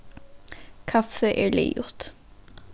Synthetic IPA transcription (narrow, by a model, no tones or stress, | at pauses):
kʰɑfəʔḛːlḛːjʊʁt̪